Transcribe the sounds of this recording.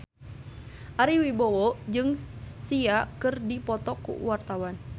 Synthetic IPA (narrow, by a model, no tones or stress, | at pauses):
ʔaɾiwibɔwɔd͡ʒɨŋsiakɨrdipɔt̪ɔkṵwart̪awan